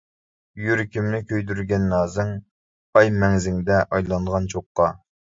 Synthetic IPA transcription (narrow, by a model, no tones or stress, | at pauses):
jyɾkʲimnɪkʲøjd̪yɾɡʲɛnːɑːzɪŋ | ɑjmɛŋzɪŋd̪ɛʔɑjlˠɑnd̪ʁɑnt͡ʃʰoqːɑ